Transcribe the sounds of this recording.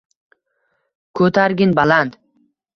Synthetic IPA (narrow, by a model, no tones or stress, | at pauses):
kʰɵt̪ʰaɾɡʲɪnbalant̪